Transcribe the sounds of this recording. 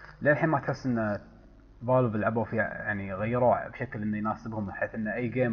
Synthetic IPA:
leːlħiːnmat̪ħɪsːʔənːa | ðˤɑːlbɪlʕabafija̰ʕniɣajːɪɾuːʕbʃaklʔənːajnaːsɪbhʊmħeːθʔənːaʔajːɡeːm

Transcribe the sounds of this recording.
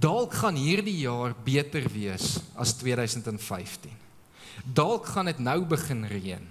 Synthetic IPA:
dɐlˠkχɐnɦiːrdijɑːrbiətərviəsɐ̰stwiədœɥsəntɛnfɛjftin | dɐlˠkχɐnətnəwbəχənriən

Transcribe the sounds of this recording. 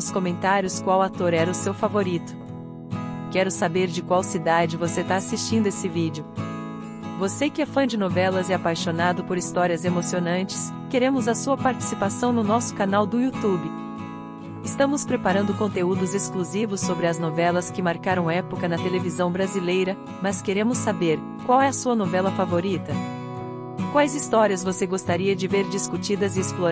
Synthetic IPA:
ʊskomẽnt̪aɾjʊskwawat̪oɾɛɾɐʊsewfavoɾit̪ʊ̥ | kɛɾʊsabeɾd͡ʒɪkwawsid̪ad͡ʒɪvoset̪aasist͡ʃĩnd̪ʊesɪvid͡ʒɪʊ | vosekɪɛfɐ̃d͡ʒɪnovɛlɐzɛapajʃonad̪ʊpoɾist̪ɔɾiɐzemosionɐ̃nt͡ʃɪ̥s | keɾẽmʊzɐsuɐpaɾt͡ʃi̥sipasɐ̃w̃nʊnɔsʊ̥kanawd̪ʊiut̪ubɪ | ɪst̪ɐ̃mʊspɾepaɾɐ̃nd̪ʊkõnt̪eud̪ʊzeskluzivʊsːobɾɪɐznovɛlɐskɪmaɾkaɾɐ̃w̃ɛpʊkɐnɐt̪elevizɐ̃w̃bɾazilejɾɐ | mɐskeɾẽmʊsːabeɾ | kwawɛɐsuɐnovɛlɐfavoɾit̪ɐ | kwajzist̪ɔɾiɐzvoseɡost̪aɾiɐd͡ʒɪveɾd͡ʒiskut͡ʃid̪ɐzɪesploɾ

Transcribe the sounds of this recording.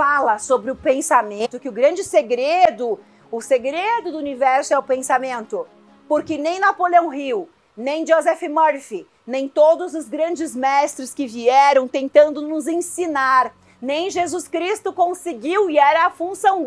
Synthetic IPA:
falɐsobɾɪʊpẽsamẽt̪ʊkɪʊɡɾɐ̃d͡ʒɪseɡɾed̪ʊ | ʊseɡɾed̪ʊd̪ʊunivɛɾsʊɛʊpẽsamẽnt̪ʊ | poɾkɪnẽj̃napoleɐ̃w̃hiw | nẽj̃d͡ʒozɛfɪmɔɾfi | nẽj̃t̪od̪ʊzʊzɡɾɐ̃nd͡ʒɪzmɛst̪ɾɪskɪviɛɾɐ̃w̃t̪ẽnt̪ɐ̃nd̪ʊnʊzẽsinaɾ | nẽj̃ʒezuskɾist̪ʊkõsɪɡiwiɛɾɐːfũsɐ̃w̃

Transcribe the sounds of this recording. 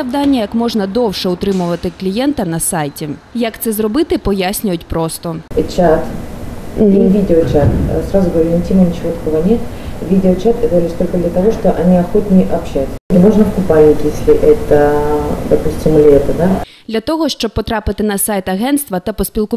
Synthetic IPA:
ɐwd̪anʲːɐjɐkmɔʐnɐd̪ɔwʂɛʊt̪ɾɪmʊʋɐt̪ɪklʲijɛnt̪ɐnɐsajtʲijɐkt̪sɛzɾɔbɪt̪ɪpɔjasʲnʲʊjʊtʲpɾɔst̪ɔt͡ɕat̪ | ivʲidʲɪɔt͡ɕat̪sɾazʊɡəvɐɾʲɪnʲtʲimnənʲɪt͡ʃɪvot̪ɐkovənʲet̪ | vʲidʲɪot͡ɕat̪ɛɡ̪əvɐlʲisʲt̪olʲkəd̪lʲɐt̪ɐvoʂt̪ɔʔɐnʲiɐxot̪ʲnʲɪjʔɐpɕːat̪ʲmoʐnəpkʊpajɪtʲjesʲlʲɪʔɛt̪əd̪ɐpusʲtʲɪmlʲet̪ɨd̪ad̪lʲɐt̪ɔɦɔʃt͡ʃɔb̚pːɔt̪ɾɑpɪt̪ɪnɐsajt̪ɐɦɛnt̪st̪ʋɐt̪ɐpɔsʲpʲilˠkʊ

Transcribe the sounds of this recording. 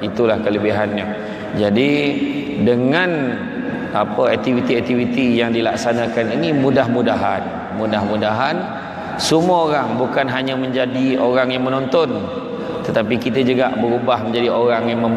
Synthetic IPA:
it̪ulahkələbiɦanɲə | d͡ʒadi | dəŋãn | apəɛk̚t̪ivit̪iɛk̚t̪ivit̪ijaŋdilaksanakaninimudahmudaɦan | mudahmudaɦan | sumuəoɾaŋbukanɦaɲə̃mə̃ɲd͡ʒadioɾaŋjaŋmənɔ̃nt̪ɔn | t̪ət̪apikit̪əd͡ʒuɡaʔbəɾubahməɲd͡ʒadioɾaŋjaŋməm

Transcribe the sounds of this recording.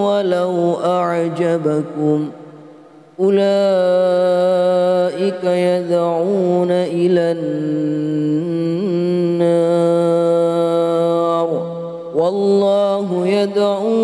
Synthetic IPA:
walawʔaʕd͡ʒabakʊm | ʔʊlaː | ʔɪkajad̪ʕuːnaʔɪlan | aː | ɾˤ | wɑlˤːɑːɦʊjad̪ʕuː

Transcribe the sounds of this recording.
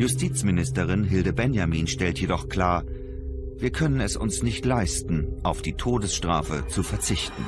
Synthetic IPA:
jʊstʰiːt͡smɪnɪstəʁɪnɦɪldəbɛnjamiːnʃtɛltʰjedɔχkl̥aːɐ | viːɐkʰœnənɛsʊ̰nsnɪçtlaɪstn̩ʔaʊfd̥iːtʰoːdəsʃtʁ̥a̰ːfə̰t͡sufɛɐt͡sɪçtn̩

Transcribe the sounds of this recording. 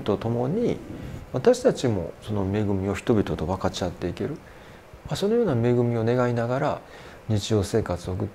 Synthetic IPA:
t̪o̞t̪o̞mo̞ɲ̟iβat̪aɕi̥t̪at͡ɕimo̞̰so̞no̞me̞ɡɯ̟mʲio̞çʲi̥t̪o̞bʲit̪o̞t̪o̞βakat͡ɕiat̪ːe̞ike̞ɾɯ̟ | maso̞no̞jo̞ːname̞ɡɯ̟mʲio̞ne̞ɡainaɡaɾa̰ | ɲ̟it͡ɕijo̞ːse̞ːkat͡sɨokɯ̟t̪ː

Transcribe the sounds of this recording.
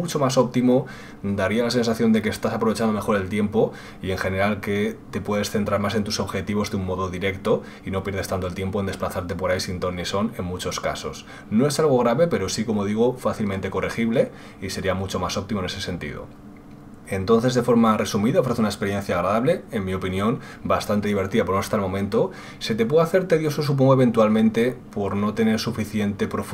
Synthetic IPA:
ut͡ʃo̞maso̞p̚t̪imo̞ | d̪aɾialase̞ns̬aθjo̞nd̪e̞ke̞ːst̪asapɾoe̞t͡ʃand̪ome̞xo̞ɾe̞lt̪je̞mpo | ie̞ŋxe̞ne̞ɾalke̞t̪e̞pwe̞ð̞e̞sθe̞nt̪ɾaɾmase̞nt̪uso̞βxe̞t̪iβ̞o̞zðeummo̞ðoðiɾe̞kt̪o̞ | ino̞pjeɾð̞e̞st̪ant̪olt̪je̞mponeplaθaɾt̪e̞po̞ɾajsint̪o̞niso̞ne̞nmut͡ʃo̞ska̰so̞̰s | no̞e̞salɣ̞o̞ɣɾaβe̞pe̞ɾo̞siko̞mo̞ð̞iɣ̞ofaθilmẽnt̪e̞ko̞rʔexiβle̞ | ise̞ɾiamut͡ʃo̞maso̞p̚t̪imone̞se̞se̞nt̪ḭðo̰ | e̞nt̪o̞nθe̞zðe̞fo̞ɾmare̞sumiðao̞fɾe̞θeunekspe̞ɾje̞nθjaːɣɾaðaβle̞enmio̞pinjo̞n | bast̪ant̪eðiβ̞e̞ɾt̪iðap̬onost̪almõ̞mẽnt̪o̞ | set̪e̞p̬weðaθe̞ɾt̪eðjo̞sos̬up̬oŋɡoe̞β̞e̞nt̪uwalmẽ̞nt̪e̞po̞ɾno̞t̪e̞ne̞ɾsufiθje̞nt̪e̞pɾo̞f

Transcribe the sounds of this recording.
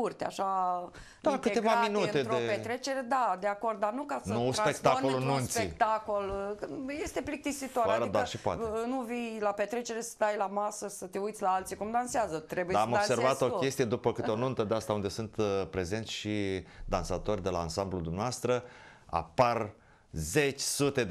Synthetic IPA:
urt̪ea̰ʃa | d̪akɨt̪e̞vamminutne̞oepet̪ɾe̞t͡ʃe̞ɾe̞d̪ad̪eako̞rd̪̚d̪anukasnouspe̞k̚t̪aolununtsspeeikt̪ako̞lje̞st̪eplik̚t̪isit̪oaɾaɾd̪aʃioa̰tenuvijlape̞t̪ɾe̞t͡ʃe̞ɾe̞sə̥t̪ajlamasəsət̪eujt̪sʲlaalt̪sikumd̪anseazət̪ɾe̞buj̪aamobse̞rvat̪o̞kʲe̞st̪ije̞d̪upəkɨt̪eonunt̪əd̪east̪aund̪e̞sunt̪pɾe̞ze̞nt̪sʲʃid̪ansat̪o̞rʲd̪e̞laːnsamblud̪umneast̪ɾə | a̰par | ze̞t͡ʃʲsut̪e̞

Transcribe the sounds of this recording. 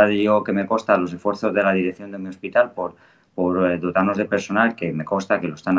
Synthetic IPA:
aðeʝo̞ke̞me̞ko̞st̪alo̞sefwe̞ɾθozðe̞laðiɾekθjond̪e̞mio̞spit̪alpoɾ | poɾd̪ot̪ano̞zð̞e̞pe̞ɾso̞nalke̞me̞ko̞st̪ake̞lost̪an

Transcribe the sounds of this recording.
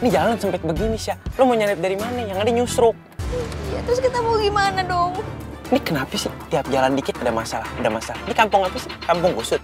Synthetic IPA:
nid͡ʒalansəmpɛt̪̚bəɡinisalomoɲalɪp̚daɾimanajaŋadaɲusɾʊk̚jat̪ɾʊskit̪amoɡimanadɔŋ | nikənapasɪht̪iap̚d͡ʒalandikɪt̪̚adamasalahadamasalanikampʊŋat̪usɪ̥hkampʊŋɡusʊt̪̚

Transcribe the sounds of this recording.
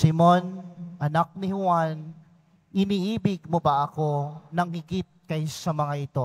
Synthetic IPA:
sɪmo̞nʔɐnak̚nɪhʊan | ʔɪniːʔiːbɪɡ̚mobɐʔɐko̞nɐŋhɪɡɪt̪̚kɐjsɐmɐŋaʔɪt̪o̞

